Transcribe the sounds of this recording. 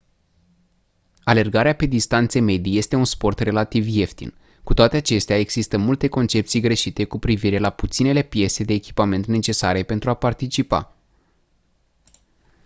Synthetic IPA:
ale̞rɡaɾeape̞d̪ist̪ant̪seme̞d̪ije̞st̪e̞unspo̞rt̪re̞lat̪ivje̞ft̪ḭn | kut̪oat̪e̞at͡ʃe̞st̪eaeɡz̥ist̪əmult̪e̞ko̞nt͡ʃe̞p̚t̪sijɡɾe̞ʃit̪e̞kupɾiviɾe̞laput̪sine̞le̞pje̞se̞d̪e̞ːkʲi̥pame̞nt̪ne̞t͡ʃe̞saɾe̞pe̞nt̪ɾuapart̪it͡ʃipa̰

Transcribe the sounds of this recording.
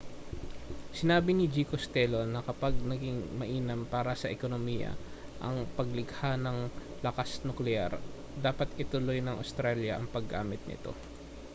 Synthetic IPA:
sɪnaːbɪnɪd͡ʒiːkost̪ɛlonːɐkɐpaɡ̚nɐɡɪŋmɐʔiːnɐmpaːɾɐsɐʔɛkonomiːjɐ̰ | ʔɐ̰ŋpɐɡ̚lɪɡhanɐŋlɐkasnuklɛa̰ɾ | d̪aːpɐt̪ɪt̪ʊlo̞jnɐŋʔɐ̰st̪ɾaljɐʔɐŋpɐɡːa̰ːmɪt̪̚nɪ̰t̪o̞̰

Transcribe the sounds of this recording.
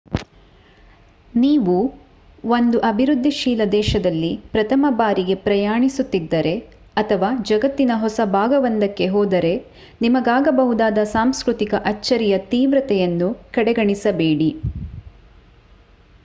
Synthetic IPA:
niːʋu | ond̪uʔɐbʱiɾud̪ʱːiʃiːlɐd̪ɛːʃɐd̪ɐlːipɾɐt̪ʰɐmɐbaːɾiɡe̞pɾɐjaːɳisut̪ːid̪ːɐɾe̞ | ɐt̪ʰɐʋaːd͡ʒɐɡɐt̪ːinɐɦɔsɐbʱaːɡɐʋɐnd̪ɐkːe̞ɦɔːd̪ɐɾe̞ | nimɐɡaːɡɐbɐɦud̪aːd̪ɐsaːmskɾut̪ikɐʔɐt͡ʃːɐɾijɐt̪iːʋɾɐt̪ɛjɐnːukɐɽɛɡɐɳisɐbeːɽi

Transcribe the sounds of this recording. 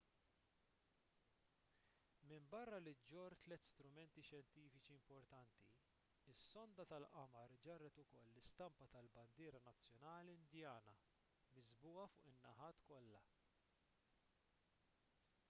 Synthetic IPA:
mɪmbɐrːɐlɪd͡ʒɔɾt̪lɛt̪ːst̪ɾʊmɛnt̪iʃjɛnt̪iːfɪt͡ʃiɪmpɔɾt̪ɐnt̪ḭ | ɪsːɔnd̪ɐt̪ɐlʔɐmɐɾd͡ʒɐrːɛt̪ʊkɔlːɪst̪ɐmpɐt̪ɐlbɐnd̪ɪːɾɐnɐt͡sːjɔnɐːliɪnd̪jɐːnɐ | mɪzbuːɐfʊ̰ːʔɪnːɐħɐːt̪kɔlːɐ

